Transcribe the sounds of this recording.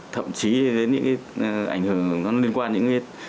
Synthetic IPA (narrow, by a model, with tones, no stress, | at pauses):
t̪ʰə̰˧˨mt͡ɕi˨˦ze˨˦nɲɨ̰˧˥ŋkaː˨˦ʔa̰˧˩jŋ̟hɨ˨˩əŋnɔ˨˦li˧ənkwaː˧nɲɨ̰˧˥ŋka˨˦j